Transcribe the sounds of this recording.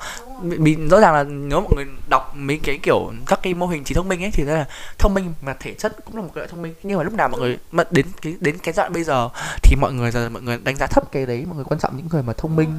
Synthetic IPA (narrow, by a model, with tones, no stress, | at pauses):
ɓḭ˧˨ɓḭ˧˨zɔ̰˧˥zaː˨˩ŋlaː˨˩ne˨˦wmɔ̰˧˨jŋɨ˨˩əjɗa˨˩wk͡p̚mi˨˧˦kaː˨˦jki˧˩əwka˦˥kːaː˨˦jmo˧ɦï˨˩ŋ̟t͡ɕi˨˩t̪ʰə˧ŋ͡mmï˧ŋʔə˨˦jt̪ʰi˨˩t̪a˨˦laː˨˩t̪ʰə˧wŋ͡mmï˧ŋ̟maː˨˩t̪ʰe˧˩t͡ɕʰə˦˥t̚kʊ̰˧˥ŋ͡maː˨˩o˨˩t̚a˨˦ɔ̰˧˨t̪ʰŋ͡mmi˧ŋɲɨ˧ŋmaː˨lʊ˦˥k͡pna˨˩wmɔ̰˧˨ŋɨ˨˩əjmə˧˥tɗe˨˦nkaː˨˦jɗe˨˦nka˨˦zwa̰ː˧˨nɓə˧jzəː˨˩t̪ʰi˨˩mɔ̰˧˨jŋɨ˨˩əjzaː˨˩˨mɔ̰˧˨jŋɨ˨˩ə˩ɗa˨˦ŋ̟zaː˨˦t̪ʰə˦˥p̚ke˨˦ɗə˨˦jmɔ̰˧˨jŋɨ˨˩kwaː˧nt͡ɕɔ̰˧˨mɲɨ̰˧˥ŋːɨ˨˩əjmaː˨˩t̪ʰə˧wŋ͡mmï˧ŋ̟